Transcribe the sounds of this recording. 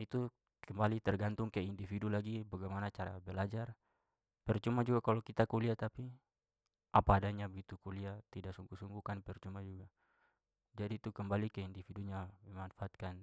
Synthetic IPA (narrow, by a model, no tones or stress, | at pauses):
it̪u | kəmbalit̪ɛrɡant̪uŋkaindifidulaɡibaɡajmanat͡ʃaɾa̰bɛlad͡ʒar | pɛrt͡ʃumad͡ʒuɡakalokit̪akuliat̪api | ʔapaːdaɲabəɡit̪ukuliat̪idaʔsuŋɡusuŋɡukanpɛrt͡ʃumad͡ʒuɡa | d͡ʒadiːt̪ukəmbalikɛindifiduɲamɛmanfaːt̪̚kan